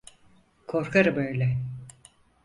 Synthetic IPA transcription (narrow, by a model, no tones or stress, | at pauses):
kʰo̞ɾkʰaɾɯbøjlʲɛ